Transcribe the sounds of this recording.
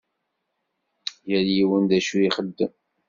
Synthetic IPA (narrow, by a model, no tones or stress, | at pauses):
jæljiwənd̪æʃuiχəd̪ːəm